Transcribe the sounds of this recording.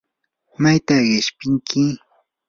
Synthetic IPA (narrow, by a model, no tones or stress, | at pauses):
majt̪aɢɪʃpɪŋkʰɪ